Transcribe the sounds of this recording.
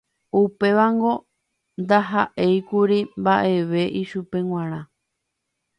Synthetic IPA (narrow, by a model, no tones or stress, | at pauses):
upe̞ʋaŋɡo̞ | nd̪aɦaʔe̞jkuɾimbaʔe̞ʋe̞ʔiʃupe̞ŋw̃ãɾ̃ã